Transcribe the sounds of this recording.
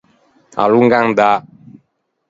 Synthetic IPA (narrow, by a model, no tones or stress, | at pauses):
a̰luŋɡaŋda